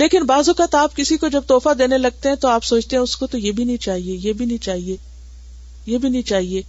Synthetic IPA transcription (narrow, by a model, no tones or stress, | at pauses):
leːkɪnbaːzokat̪aːpkɪsikod͡ʒɐb̚t̪ɔːfad̪eːnelɐɡ̚t̪eɦɛ̃t̪oaːpsoːt͡ʃt̪eɦɛ̃ʊskot̪ojeːbʱinɐɦĩt͡ʃaːɦiejebʱinɐɦĩt͡ʃaːɦieː | jeːbʱinɐɦĩt͡ʃaːɦieː